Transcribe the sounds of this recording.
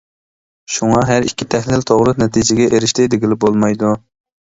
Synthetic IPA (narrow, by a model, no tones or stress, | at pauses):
ʃuŋɑɦæɾikʲʰːit̪ʰɛhlɪlt̪ʰoʁɾɨnɛt̪ʰid͡ʒɪɡʲɛʔeɾɪʃt̪ɪd̪ɪɡʲɪlɪbolˠmɑjd̪u